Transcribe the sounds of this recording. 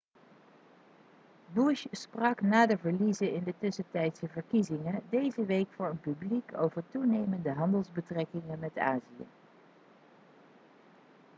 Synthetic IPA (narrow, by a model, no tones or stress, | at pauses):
buʃsprɑknaːdəvəɹlizəɪndətʏsətɛjtsəvəɹkizɪŋədejzəʋejkfʊːɹənpybliko̰wvəɹtunejməndəɦɑndəlˠzbətrɛkɪŋəmɛta̰ːziə̰